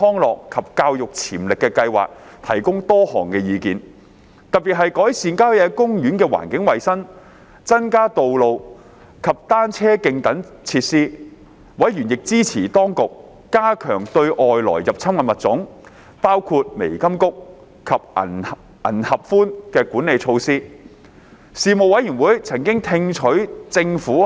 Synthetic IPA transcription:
ɔː˥ŋlɔː˨kkʰːɐ˨p̚kaː˧wjʊ˨k̚t͡sʰiː˨˩mlɪ˨kːɛ˧kɐ˧jwa̰ː˨˩k̚t̪ʰɐ˨˩jkʊ˥ŋt̪ɔː˥hɔː˨˩ŋkɛː˧jiː˨˧kiː˨˧n | t̪ɐ˨t̚piː˨t̚ɦɐ˨jkɔː˨˥jsiː˨˧nkaː˥˦˥jɛ˨˧kʊ˥ŋjyː˨˥nkɛː˧wa̰ː˨˩nkɪ˨˥ŋwɐ˨jsɐ˥ŋ | t͡sɐ˥nkaː˥t̪o˨wlo˨w | kʰɐ˨p̚t̪aː˥nt͡sʰɛː˥kɪ˧ŋt̪ɐ˨˥n | t͡sʰiː˧t̚siː˥ | wɐ˨˥jɥyː˨˩njɪ˨k̚t͡siː˥t͡sʰḭː˨˩t̪ɔː˥ŋkʊ˨k̚ː | aː˥kʰœː˨˩ŋt̪ɵ˧ɥʔɔː˨jlɔ̰ː˨˩jjɐ˨p̚t͡sʰɐ˥mŋɐ˧˩mɐ˨t̚t͡sʊ˨˥ŋ | paː˥wkʰu˧t̚me˨˩jkɐ˥mkʊ˥k̚ | kʰɐ˨p̚ɐ̰˨˩ | ʔɐ̰˨˩nhɐ˨p̚fuː˥nkɛː˧kuː˨˥ne˨jt͡ʃʰo˧wsiː˥ | siː˨˧mo˨wɐ˨˥jyː˨˩nwuː˨˥jt͡sʰɐ˨˩ŋkɪ˥ŋt̪ʰɪ˧ŋt͡ʃʰɵ˨˥ɥt͡sɪ˧ŋfuː˨˥

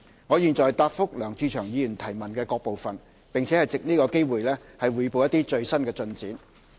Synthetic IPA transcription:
ŋɔː˨˧jiː˨nt͡sɔː˨jt̪aː˧p̚fʊ˥k̚lœː˨˩ŋt͡siː˧t͡ʃʰœː˨˩ŋjiː˨˧jyː˨˩nt̪ʰɐ˨˩jmɐ˨˩nkɛː˧kɔː˧k̚po˨wfɐ˨n | pɪ˨ŋt͡sʰɛː˨˦hɐ˨jt͡sɪ˨k̚niː˥kɔː˧ke˥jwuː˨˩jlɛː˥hɐ˨jwuː˨˧jpo˨˧wjɐ˥t̪iː˥t͡ʃɵ˧ɥsɐ˥nkɛː˧t͡sɵ˧nt͡siː˨˥n

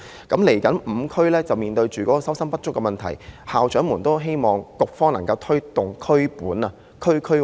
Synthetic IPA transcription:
kɐ˨˥mle˨˩jkɐ˨˥nm̩˨˧kʰɵ˥lɛː˥t͡sɐ˨wmiː˨nt̪ɵ˧ɥt͡ʃyː˨kɔ˨˦˥kːɔː˧sɐ˥wsɐ˥npɐ˥t̚t͡ʃʊ˥kːɛ˧mɐ˨nt̪ʰɐ̰˨˩jhaː˨wt͡ʃœː˨˥ŋmuː˨˩nt̪o˥wɦe˥jmɔː˨˩ŋkʊ˨k̚fɔː˥ŋnɐ˨˩ŋkɐ˧wt̪ʰɵ˥ɥt̪ʊ˨ŋkʰɵ˥ɥpuː˨˥nɐ˧ | kʰɵ˥kʰɵ˥

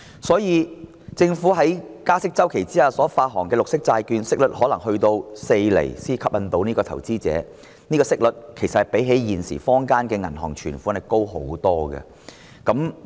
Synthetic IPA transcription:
sɔː˨˥jiː˨˧ | t͡sɪ˧ŋfuː˨˥ɦɐ˨˥jkaː˥sɪ˥k̚t͡sɐ˥wkʰe˨˩jt͡siː˥haː˨sɔː˨˥faː˧t̚ɦɔː˨˩ŋkɛː˧lʊ˨k̚sɪ˥k̚t͡saː˧jkyː˧nsɪ˥k̚lɵ˨t̚hɔː˨˥lɐ˨˩ŋhɵ˧ɥt̪o˧wse˧jlḛ˨˩jsiː˥kʰɐ˥p̚jɐ˧nt̪o˧wniː˥kɔː˧t̪ʰɐ̰˨˩wt͡siː˥t͡sɛ̰ː˨˧˥ | niː˥kɔː˧sɪ˥k̚lɵ˨t̚kʰe˨˩jsɐ˨t̚hɐ˨˩jpe˨˥jɦe˨˥jjiː˨nsḭː˨˩fɔː˥ŋkaː˥nkɛː˧ŋɐ˨˩nɦɔ̰ː˨˩ŋt͡ʃʰyː˨˩nfuː˨˥nɐ˨˩ko˥wɦo̰˨˥wt̪ɔː˥ɡɐ̰˧ | kɐ˨˦˥m

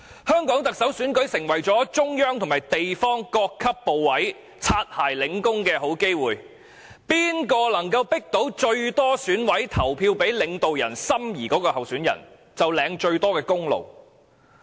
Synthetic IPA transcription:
hœː˥ŋkɔː˨˥ŋt̪ɐ˨k̚sɐ˨˥wsyː˨˥nkɵ˨˥ɥsɪ˨˩ŋwɐ˨˩jt͡sɔː˨˥t͡ʃʊ˥ŋjœː˥ŋt̪ʰʊ˨˩ŋmaː˨˩jt̪e˨jfɔː˥ŋkɔː˧kʰːɐ˥pːo˨wːɐ˨˥j | t͡sʰaː˧t̚haː˨˩jlɪ˨˧ŋkʊ˥ŋkɛː˧ɦo˨˥wke˥jwuː˨j | piː˥nkɔː˧lɐ˨˩ŋkɐ˧wpɪ˥k̚t̪o˨˥wt͡ʃɵ˧ɥt̪ɔː˥syː˨˥nwɐ˨˥jt̪ʰɐ˨˩wpʰiː˧wpe˨˥jlɪ˨˧ŋt̪o˨wjɐ̰˨˩nsɐ˥mjiː˨˩kɔː˨˥kɔː˧hɐ˨wsyː˨˥njɐ̰˨˩n | t͡sɐ˨wlɛː˨˧ŋt͡ʃɵ˧ɥt̪ɔː˥kɛː˧kʊ˥ŋlo̰˨w

